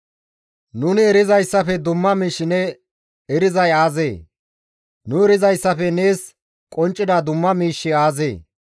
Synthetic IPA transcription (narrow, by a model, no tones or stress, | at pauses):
nʊnɪɛɾɪzɐjsːɐfɛd̪ʊmːɐmiːʃːɪnɛ | ɛɾɪzɐjaːzeː | nʊɛɾɪzɐjsːɐfɛne̞ːs | kʼɔnt͡ʃʼːɪd̪ɐd̪ʊmːɐmiːʃːɪaːzḛː